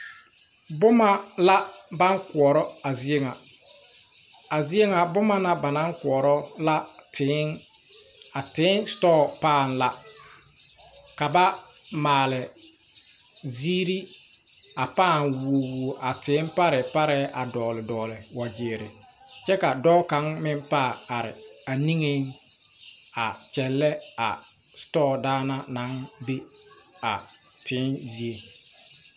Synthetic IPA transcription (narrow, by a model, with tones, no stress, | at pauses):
bʊ˦ma˨la˦ba˦ŋkʊ˨ɔ˨ɾɔ˦a˨zi˦e˦ŋa˨ | a˨zi˦e˦ŋa˨bʊ˦ma˦na˦ba˨na˦ŋkʊ˨ɔ˨ɾɔ˦la˦tʰɪ˨˦ŋ | a˨tɪ˨˦nstɔ˦˨paː˦˨n̩˦la˨ | ka˨ba˦maː˨lɪ˨ | ziː˦ɾi˦ | a˨paː˦˨nwo˨wu˨ʔa˨tɪ˨˦n˦pa˦ɾɪ˨pa˦ɾɛː˦ʔa˨dɔː˨lɪ˨dɔː˨lɪ˨wa˨d͡ʒɪː˨ɾɪ˨ | t͡ʃɛ˦ka˨dɔː˦ka˨˦ŋmɪ˦mpa˦˨a˨ɾɪ˨a˨ni˦ŋe˦ŋ | a˨t͡ʃɛ˨lːɛ˦a̰˨ | stɔː˦˨daː˦na˦na˨˦ŋbe˦ | a˨ | tɪː˨˦nzi˦e˨